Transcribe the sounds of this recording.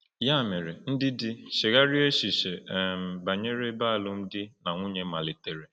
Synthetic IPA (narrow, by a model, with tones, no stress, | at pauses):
ja˦˨me˨ɾe˨n̩˦dɪ˦dɪ˦ʃe˨ɣa˦ɾi˦e˦ʃi˨ʃe˨m̩˨ba˨ɲe˦ɾe˦ba˦a˨lʊ˦m̩˦dɪ˦na˨ŋʷu˦ɲe˦ma˨lɪ˨te˨ɾe˨